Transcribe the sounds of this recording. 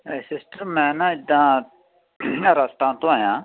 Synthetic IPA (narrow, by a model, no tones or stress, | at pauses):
esɪsʈəmːɛ̃ːnãɪd̪ã | ɾɐst̪ãːnt̪õajãː